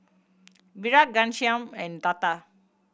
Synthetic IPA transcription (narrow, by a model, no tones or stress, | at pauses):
biɾak̚ɡanʃijament̪at̪a